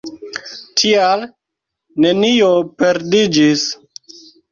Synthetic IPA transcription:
tʰial | ne̞niopeɾdid͡ʒis

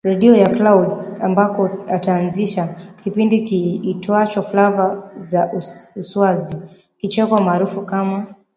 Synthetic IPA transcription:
ɾɛɗiɔjaklawdzambakɔataːnziʃakipindikiːtwat͡ʃɔfulavazauuswazi | kit͡ʃɛkwamaːɾufukama

